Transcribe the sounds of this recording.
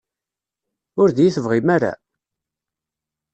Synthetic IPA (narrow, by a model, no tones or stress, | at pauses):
ʊɾðjiθəvʁimaɾa̰